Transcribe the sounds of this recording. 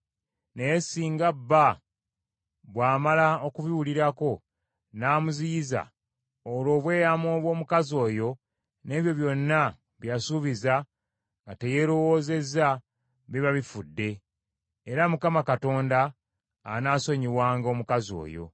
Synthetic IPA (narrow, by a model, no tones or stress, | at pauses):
ne̞jesiːŋɡabːa | βwaːmalao̞kuβiwuliɾako̞ | naːmuziiza̰ | olo̞ːβwe̞ːjamo̞ːβwo̞ːmukazo̞ːjo̞ | ne̞ːβjo̞βjo̞nːa | βjasuβiza | ŋɡate̞je̞ːɾo̞wo̞ːze̞za | βiβaβifudːe̞ː | ɾamukamakato̞ːndaː | naːso̞ɲiwaːŋɡo̞ːmukazo̞̰ːjo̞̰